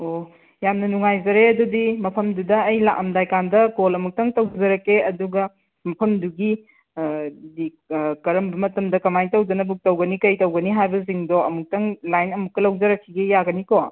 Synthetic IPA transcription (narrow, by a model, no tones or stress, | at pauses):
o | jamnɐnuŋajzɐɾeɐdudimɐpʰɐmdudɐːjla̰ʔɐmdajkandɐkolɐmuk̚tɐŋtɐwzɐɾɐkeɐduɡɐ | mɐpʰɐmduɡi | di | kɐɾɐmbɐmɐtɐmdɐkɐmajtɐwd͡ʒɐnɐbuk̚tɐwɡɐnikɐjtɐwɡɐniɦajbɐziŋdoɐmuk̚tɐŋlajnɐmukːɐlɐwzɐɾɐkʰːiɡejaɡɐniko